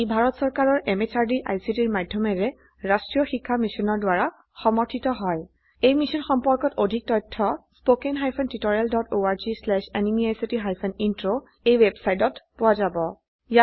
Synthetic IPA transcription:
ibʱaɹɔtsɔɹkaɹɔɹʔemet͡ʃaɹdiʔa̰jsitiɹmadʱjɔmɛɹɛ | ɹastɹijɔxikʰːamisɔnɔɹdwaɹa | xɔmɔɹtʰitɔɦɔj | ejmisɔnxɔmpɔɹkɔtodʱik̚tɔtʰːɔspokenɦajpʰɔntitɔɹialdɔtoaɹzislɛʃenimiajsitiɦajpʰɔnintɹo | ejwebsajtɔtpʊwazabɔ | ja

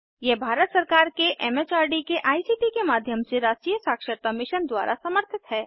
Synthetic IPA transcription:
jebʱaːɾət̪sɐɾkaːɾkeʔɛmeːt͡ʃaːɾɖikeʔaːisiːʈikemaːd̪ʱjəmseɾaːd͡ʒkiːjəsaːkʃəɾt̪amɪʃənd̪wa̰ːɾʔa̰sɐməɾt̪ʰɪt̪ɦɛː

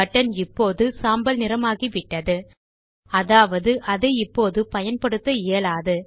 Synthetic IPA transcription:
ɐʈːɐnɪpːoːðɯsaːmbɐlnɪɾɐmaːɣiʋɪʈːɐðɯ | ɐðaːʋɐðɯʔɐðɐɪpːoːðɯpɐjɐnpɐɽɯt̪ːɐeːɭaːðɯ

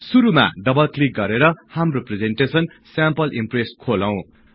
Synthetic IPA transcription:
suɾuma̰ɖʌbʌlklik̚ɡʌɾeɾʌhamropred͡zenʈesʌn | sampʌlʔimpreskʰolaw̃

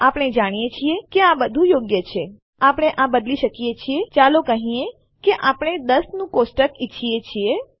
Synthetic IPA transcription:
apɽ̃ed͡ʒaɽ̃ijet͡ʃʰiekeãbəd̪ʱũjoɡjət͡ʃʰe | apɽ̃eʔãbəd̪liʃəkijet͡ʃʰiet͡ʃalokəɦĩe | keʔapɽ̃ed̪əsnũkosʈəkit͡ʃʰiet͡ʃʰie

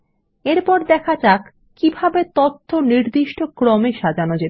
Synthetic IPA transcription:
eɾpɔɾd̪ɛkʰat͡ɕak | kibʱabet̪oɾt̪ʰːoniɾd̪iʃʈʰokɾɔmeʃad͡ʑanod͡ʑe

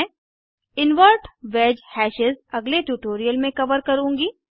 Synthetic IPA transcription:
ɪnʋəɾʈʋeːd͡ʒhɛːʃɪzɐɡleʈjuːʈoːɾijəlmẽkɐʋəɾkɐɾũːŋɡiː

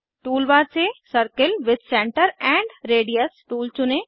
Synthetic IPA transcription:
ʈuːlʋaːɾsesəɾkəlʋɪd̪sɛ̃ɳʈəɾɛ̃ːɳɖɾeːɖijəsʈuːlt͡ʃʊne

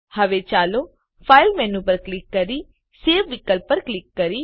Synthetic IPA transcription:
hɐʋet͡ʃaːloː | pʰaːɪlmɛ̃ːnũp̬ɐɾklɪkːɐɾi | seːʋʋɪkəlpːəɾklɪkːɐɾiː

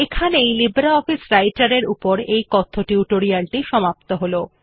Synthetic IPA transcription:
ekʰanejlibɾaɔfisɾajʈaɾeɾupoɾejkɔt̪ʰːoʈiuʈoɾialʈiʃɔmapt̪oɦolo

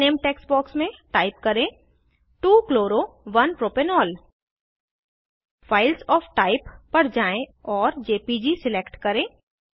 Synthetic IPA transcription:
eːmʈeːksbɔːksmẽʈaːɪp̚kɐɾẽ | ʈuːkloːɾoʋɐnpɾoːpenɔːl | faːɪlsɔːfʈaːɪpːɐɾd͡ʒaːẽɔːɾd͡ʒeːpid͡ʒisɪleːkʈkɐɾẽː

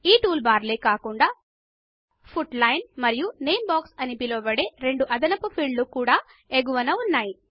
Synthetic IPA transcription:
iːʈuːlbaːɾleːkaːkuɳɖaː | pʰuʈlɐjnmɐɾijunejmbaːksɐnibiloːbɐɽeːɾe̞ɳɖuʔɐd̪ɐnɐpupʰiːɖlukuːɽaː | eɡuʋɐnɐunːaːji

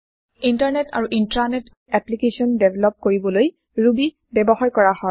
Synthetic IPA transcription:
intaɹnɛta̰ɹuʔintɹanɛt | ɛplikesɔndevʱlɔp̚koɹibɔloj | ɹubi | bɛbɔxaɹkɔɹahɔ

